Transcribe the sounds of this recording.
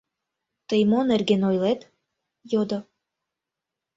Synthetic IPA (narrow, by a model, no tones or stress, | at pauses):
t̪əjmonerɡenojlet̪ | jod̪ŏ